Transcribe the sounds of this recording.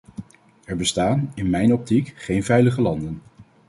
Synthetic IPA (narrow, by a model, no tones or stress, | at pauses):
ɛɹbəstaːnɪnmɛjnɔp̚tikχejnvɛjləχəlɑndən